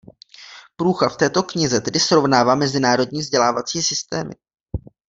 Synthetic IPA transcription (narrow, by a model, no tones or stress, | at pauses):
pɾuːxaft̪ɛːt̪o̞kɲɪzɛt̪ɛdɪsɾo̞vnaːvaːmɛzɪnaːɾo̞dɲiːvzɟɛlaːvat͡siːsɪst̪ɛ̰ːmɪ̰